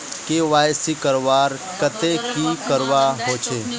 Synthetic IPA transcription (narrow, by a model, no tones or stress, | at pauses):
keʋaːjsikəɾʋaːɾ | kət̪ekikəɾʋaɦot͡ʃʰe